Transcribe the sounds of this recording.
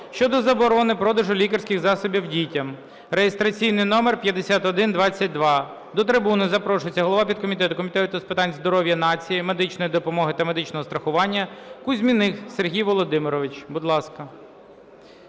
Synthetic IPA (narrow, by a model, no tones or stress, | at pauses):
ʃt͡ʃɔd̪ɔzɐbɔɾɔnɪpɾɔd̪ɐʒʊlʲikɐrsʲkʲɪxzɑsɔbʲiwdʲitʲɐm | ɾejest̪ɾɐt͡sʲijnɪjnɔmerpʲjɐd̪esʲat̪ɔd̪ɪnd̪ʋɑt͡sʲːɐt̚ʲd̪ʋɑ | d̪ɔt̪ɾɪbunɪzɐpɾɔʃʊjet͡sʲɐɦɔlˠɔʋɑpʲid̪̚kɔmʲit̪ɛt̪ʊkɔmʲit̪ɛt̪ʊt̪ɔspɪt̪ɑnʲzd̪ɔɾɔwʲjɐnɑt͡sʲijɪme̞d̪ɪt͡ʃnɔjid̪ɔpɔmɔɦɪt̪ɐme̞d̪ɪt͡ʃnɔɦɔst̪ɾɐxʊʋɑnʲːɐkʊzʲmʲinɪxserɦʲijʋɔlˠɔd̪ɪmɪɾɔʋɪt͡ʃbʊd̪lˠɑskɐ